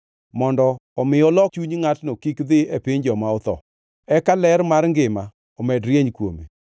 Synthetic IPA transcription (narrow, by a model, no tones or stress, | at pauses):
mɔndɔːmɪɔlɔkt͡ʃuɲŋatnokikd̪ɪepɪɲd͡ʒɔmaɔt̪ɔ̰ | ɛkalɛɾmarŋɡɪma | ɔmɛdɾjeɲkwo̰mḛ